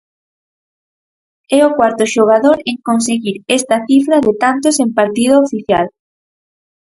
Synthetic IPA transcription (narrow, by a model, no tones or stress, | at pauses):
ɛokwaɾt̪ʊʃoɣ̞aðoɾeŋkonseɣiɾɛst̪ɐθifɾɐðet̪ant̪osẽmpaɾt̪ið̞oofiθja̰l